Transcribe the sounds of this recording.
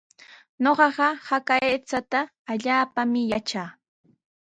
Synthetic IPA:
ɲoɢɑɢɑhakaeːt͡sat̪aː | ʎaːpamɪjat͡ʃaː

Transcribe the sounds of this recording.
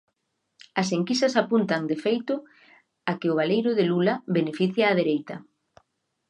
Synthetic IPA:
ɐseŋkisɐsapunt̪ɐŋd̪efejt̪ʊ | akɪʊβ̞alejɾʊðelulɐβenefiθjaːðeɾejt̪ɐ

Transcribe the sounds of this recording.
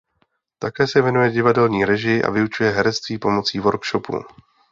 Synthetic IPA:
t̪akɛːsɛvjɛnujɛɟɪvadɛlɲiːɾɛʒɪʔa̰vɪut͡ʃujɛɦɛɾɛt͡st̪viːpo̞mo̞t͡siːvo̞ɾkʃo̞pṵ

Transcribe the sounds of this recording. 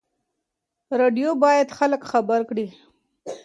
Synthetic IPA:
ɾeɖijobɑjad̪xaləkxabəɾkɽi

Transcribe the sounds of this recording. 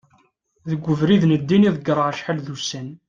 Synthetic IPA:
ðəɡʷːəvɾiðnəd̪ːiniðˤəɡəɾˤəʁəʃħalðusæn

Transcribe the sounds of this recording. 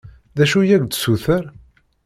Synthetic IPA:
ðæʃujæɡʷd̪suθəɾ

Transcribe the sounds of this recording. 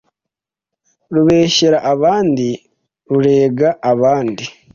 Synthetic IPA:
ɾuβe̞ːçeɾaʔaβaːndi | ɾuɾe̞ːɡaʔaβaːndi

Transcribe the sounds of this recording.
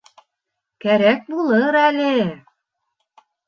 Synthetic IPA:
kæɾæk̚bulˠɤɾælʲe

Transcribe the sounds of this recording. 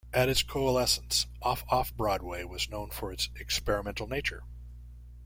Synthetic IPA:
ʔɨɾɨtskʰoʊəlɛsə̃n̩sʔɔfɔfbɹɔd̚weɪwʌznõʊ̃nfə˞ɨtsɨkspɛɹɨmɛ̃ntˡl̩ˠneɪt͡ʃə̰˞

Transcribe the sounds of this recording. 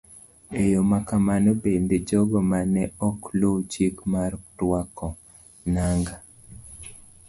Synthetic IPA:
ejomakamanobend̪ed͡ʒɔɡɔmanɛɔklot͡ʃikmartwakɔ | naŋɡa

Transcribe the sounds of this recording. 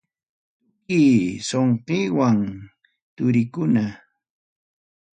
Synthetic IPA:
kiːsoɴqeːwaŋ | t̪ʊɾɪkʊna

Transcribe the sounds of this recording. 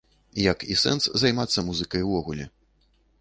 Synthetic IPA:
jɐkisɛ̰nszajmat̪sːɐmuzɨkɐjwvɔɣulʲɛ

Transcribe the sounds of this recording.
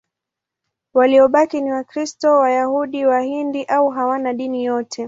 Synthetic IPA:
waliɔɓakiniwakɾistɔwajahuɗiwahindiʔauɦawanaɗinijɔtʰɛ

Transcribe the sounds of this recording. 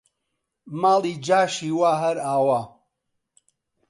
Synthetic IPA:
maːliːd͡ʒaːʃiːwaːɦɐɾaːwa

